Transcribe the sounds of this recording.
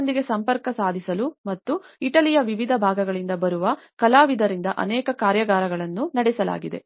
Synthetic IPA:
nd̪iɡe̞sɐmpɐɾkɐsaːd̪ʱisɐlumɐt̪ːuiʈɐlijɐʋiʋid̪ʱɐbʱaːɡɐɡɐɭind̪ɐbɐɾuʋɐkɐlaːʋid̪ʱɐɾind̪ɐʔɐ̰nɛːkɐkaːɾjɐɡaːɾɐɡɐɭɐnːunɐɽɛsɐla̰ːɡid̪e̞̰

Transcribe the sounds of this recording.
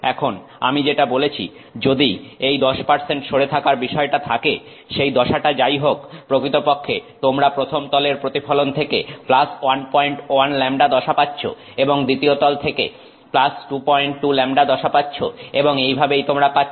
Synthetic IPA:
ɛkʰon | a̰mid͡ʑeʈabolet͡ɕʰḭ | d͡ʑod̪iejd̪ɔʃpaɾseɳʈʃʰoɽet̪ʰakaɾbiʃɔeʈat̪ʰake | ʃejd̪ɔʃaʈad͡ʑajɦokpɾokɾit̪opokʰːet̪omɾapɾot̪ʰomt̪ɔleɾpɾot̪ifɔlont̪ʰekḛplaswanpɔjɳʈanlɛmɖad̪ɔʃapatːɕʰo̰ | eboŋd̪it̪iot̪ɔlt̪ʰekḛ | plasʈupɔjɳʈːulɛmɖad̪ɔʃapatːɕʰo̰eboŋejbʱabejt̪omɾapa

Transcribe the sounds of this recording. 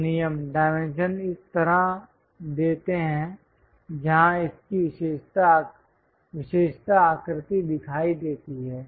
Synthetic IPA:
nɪjəmɖaːɪmẽnʃənɪst̪ɐɾa | d̪eːt̪eɦɛ̃ | d͡ʒɐɦãɪskiʃeːʃt̪a | ʋɪʃeːʃt̪aːkɾɪt̪id̪ɪkʰaːid̪eːt̪iɦɛː

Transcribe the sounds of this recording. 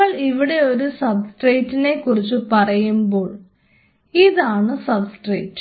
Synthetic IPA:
ɐɭiʋiɽe̞o̞ɾusɐbsʈreːtːine̞kːurit͡ɕːupɐrɐjumbo̞ːɭ | iðaːɳɨsɐbsʈreːtː

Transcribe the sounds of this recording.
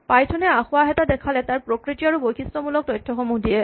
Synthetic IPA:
pajtʰɔnɛaxʊwaɦɛtadɛkʰalɛtaɹpɹokɹitiaɹubojxistɔmulɔk̚tɔjtʰːɔxɔmudiɛ

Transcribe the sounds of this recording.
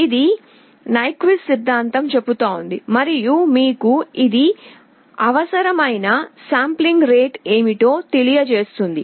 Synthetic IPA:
id̪i | nɐjkʋissid̪ʱːaːnt̪ɐmt͡ʃe̞pːut̪aːund̪imɐɾijumiːkuid̪i | ɐʋɐsɐɾɐmɐjnɐsaːmpliŋɡɾe̞ːʈe̞ːmiʈo̞ːt̪elijɐt͡ʃe̞ːst̪und̪i

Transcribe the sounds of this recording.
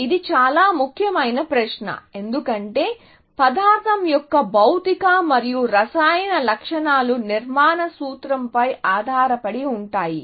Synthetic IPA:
id̪it͡ʃaːlaːmukʰjɐmɐjnɐpɾɐʃnɐ̰e̞nd̪ukɐɳʈe̞ː | pɐd̪aːɾt̪ʰɐmjɔkːɐbɐwt̪ikaːmɐɾijuɾɐsaːjɐnɐlɐkʂɐɳaːluniɾmaːnɐsuːt̪ɾɐmpɐjaːd̪ʱaːɾɐpɐɽiuɳʈaːji

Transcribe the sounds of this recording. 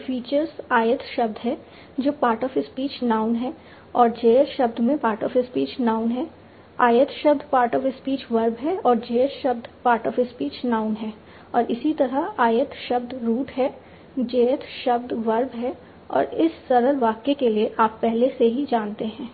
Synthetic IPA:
fiːt͡ʃəɾzaːjət̪ʃɐb̚d̪ɦɛ | d͡ʒoːpaːɾʈɔːfɪspiːt͡ʃnaːʊnɦɛ | ɔːɾd͡ʒeːjəɾʃɐbd̪mẽpaːɾʈɔːfɪspiːt͡ʃnaːʊnɦɛː | aːjət̪ʃɐbd̪paːɾʈɔːfɪspiːt͡ʃʋɐɾbɦɛɔːɾd͡ʒeːjəɾʃɐbd̪paːɾʈɔːfɪspiːt͡ʃnaːʊnɦɛː | ɔːɾʔɪsit̪ɐɾaaːjət̪ʃɐbd̪ɾuːʈɦɛ | d͡ʒeːjət̪ʃɐb̚d̪ʋɐɾbɦɛ | ɔ̰ːɾɪsːɐɾəlʋaːkekelieʔaːpːɛɦleseɦid͡ʒaːnt̪eɦɛ̃ː

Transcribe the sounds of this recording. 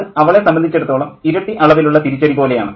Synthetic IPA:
ɐʋɐɭe̞sɐmbɐnd̪ʱit͡ɕːe̞ɽut̪ːo̞ːɭɐmiɾɐʈ̪ːiʔɐɭɐʋiluɭːɐt̪iɾut͡ɕːɐɽipo̞ːle̞ja̰ːɳɨ

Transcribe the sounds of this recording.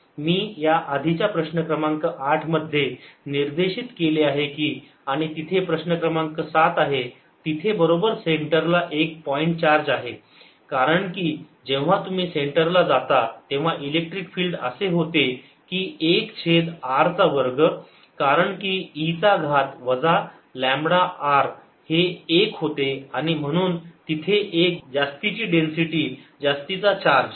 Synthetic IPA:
miːjaʔad̪ʱit͡ɕjapɾəɕnəkɾəmãŋkəʔaʈʰməd̪ʱːjeniɾd̪eɕit̪keleaɦekiː | aɽ̃it̪it̪ʰepɾəɕnəkɾəmaŋkəsat̪aɦe | t̪it̪ʰebəɾobəɾseɳʈəɾlaʔek̚pɔiɳʈt͡ɕaɾd͡zaɦe | kaɾəɳkiː | d͡ʑẽʋ̤̃at̪um̤iːseɳʈəɾlad͡zat̪at̪ẽʋ̤aʔilek̚ʈɾikfiːlɖə̰seɦot̪e | kiːekt͡ɕʰed̪aɾt͡saʋəɾɡə | kaɾəɳkiːit͡saɡʱat̪ʋəd͡za | læ̃mbɽaʔaɾ | heːkɦot̪eaɽ̃im̤əɽ̃uːnt̪it̪ʰeʔek̚d͡zast̪it͡ɕiːɖensiʈiːd͡zast̪it͡sat͡ɕaɾd͡ʑ

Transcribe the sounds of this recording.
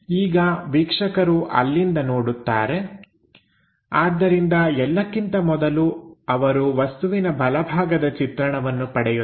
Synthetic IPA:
iːɡɐʋikʂɐkɐɾuʔɐ̰lːind̪ɐnoːɽut̪ːaːɾe̞ | aːd̪ːɐɾind̪ɐɛlːɐkːint̪ɐmɔd̪ɐluɐʋɐɾuʋɐst̪uʋinɐbʱɐlɐbʱaːɡɐd̪ɐt͡ʃit̪ɾɐɳɐʋɐnːupɐɽɛju

